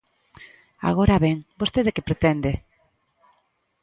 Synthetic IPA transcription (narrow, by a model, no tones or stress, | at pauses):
a̰ɣ̞oɾaβeŋbost̪eðekepɾet̪ɛnd̪e